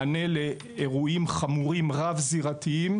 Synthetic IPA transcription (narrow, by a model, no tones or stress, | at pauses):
ne̞leː | ʁuimχamuʁimʁavziʁat̪iim